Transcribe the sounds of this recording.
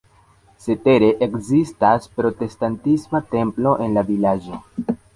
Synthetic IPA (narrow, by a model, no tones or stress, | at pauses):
se̞te̞ɾe̞ʔekzistaspɾo̞te̞stantismate̞mplo̞ʔe̞nlavilad͡ʒo̞